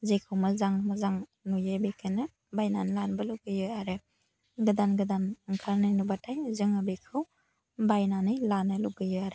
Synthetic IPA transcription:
zekʰɯwmɯzaŋmazaŋnujebekʰɯnɯ | bajnanilanbɯluɡɯjɯjaɾɯ | ɡɯdanɡɯdanɯŋkʰaɾnɯnubatʰajzɯŋabekʰɯw | bajnanɯjlanɯluɡɯjɯjaɾɯ

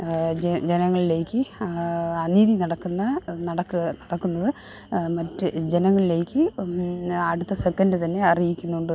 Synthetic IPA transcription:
d͡ʑe̞nɐŋːɐɭile̞ːkʲːɨ | ɐniːðinɐɽɐkːunːɐnɐɽɐkːɨnɐɽɐkːunːɐðɨ | mɐtːɨd͡ʑenɐŋːɐɭile̞ːkʲːɨ | ɐɽut̪ːɐsekːɐndɨt̪ɐnːe̞ɐrijikʲːunːuɳɖɨ

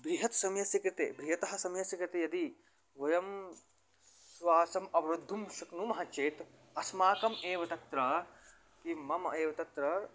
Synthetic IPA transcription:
bɾiɦɐt̪sɐmjɐsjɐkɾɪt̪ebɾiɦɐt̪ɐɦɐ̆sɐmjɐsɐkɾɪt̪ejɐd̪i | ʋɐjɐm | sʋaːsɐmɐʋɾɐd̪ʱːumʃɐknumɐɦɐt͡ʃeːt̪ | ɐsmaːkɐmeːʋɐt̪ɐt̪ɾɐ | kimɐmeːʋɐt̪ɐt̪ɾɐ

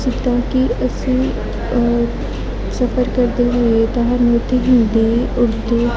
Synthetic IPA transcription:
sikt̪ãkiːəse | səfəɾkəɾd̪eɦoet̪aɦanot̪ʰiɦind̪euɽt̪o

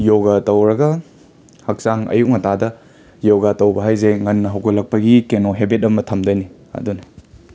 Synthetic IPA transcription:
joɡatɐwɾɐɡɐ | hɐk̚saŋɐ̰juk̚ŋɐtʰadɐ | joɡatɐwbɐɦajzeŋɐnːɐɦɐwkɐlːɐk̚pɐɡikenoɦebet̚ɐmɐtʰɐmdɐjni | ɐ̰dunɐ

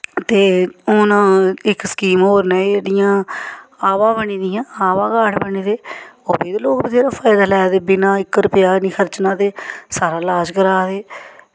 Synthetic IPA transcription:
t̪eːʊːnːɪkskiːmoːɾnaːeeːɽɪjãːaːʋãːbəɳiːd̪ɪjãːaːʋãːɡaːʈbəɳiːd̪eːoːbiːd̪eːloːkbiːt̪ʰeːɾaːpʰaːɪd̪aːlɛːd̪eːbɪnãːɪkːɾʊpɪjaːnĩːkʰəɾt͡ʃnãːt̪eːsaːɾaːlaːd͡ʒkəɾaːd̪eː

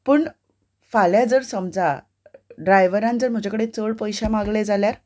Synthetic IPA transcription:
pəːɳ | faljad͡zəɾsəmd͡za | ɖɾajʋəɾãnd͡zəɾm̤əd͡ʑʱakəɽet͡səɭpəjɕamaɡled͡zaljaɾ

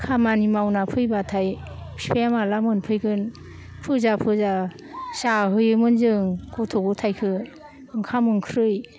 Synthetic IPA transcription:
kʰamanimawnapʰɯjbatʰajpʰipʰeamalamɯnpʰɯjɡɯn | pʰɯzapʰɯza | saɦɯjɯmɯnzɯŋkʰɔtʰɔɡutʰajkʰɯ | ɯŋkʰamɯŋkʰɾɯj

